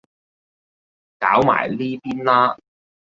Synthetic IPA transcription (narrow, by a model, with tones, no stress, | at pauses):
kaː˨˥wma̰ː˨˩jliː˥piː˥nlaː˥